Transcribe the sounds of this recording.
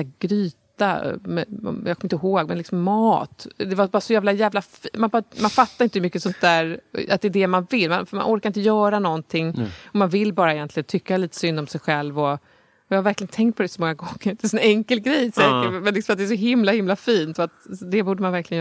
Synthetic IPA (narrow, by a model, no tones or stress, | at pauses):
ɡ̥ɾyːt̪a̰mɛ̰ɔ̰jɑ̰ːɡkʰɔmɪɪnt̪əɦoːɡmɛnlɪksɔmːɑːt̪d̪ɛvabɑːɾasɔjæːvlajæːvlafmanbɑmanfat̪ːaɾɪnt̪əhɵmʏkːəsɔnt̪̚d̪æːɾa̰t̪̚d̪ɛːd̪ɛmanvɪlːmanfma̰nʔɔɾkaɾɪnt̪əjœːɾanɔnt̪ʰɪŋːɔmanvɪlːbɑːɾaɛjɛnt̪lɪɡənt̪ʰʏkːaliːt̪ə̥sʏnd̪ɔmsɛjɧɛlvɔ | jɑːhavæɾklɪɡənt̪ʰɛŋkt̪̚pʰɔd̪ɛsɔmɔŋːaɡɔŋːəɾd̪ɛsɛnɛŋkəlɡɾɛjsɛːkəmɛnlɪksɔmat̪̚d̪ɛːsɔɦɪmlahɪmlafiːnt̪fœat̪d̪ɛbuːɖəmanvæɾklɪɡən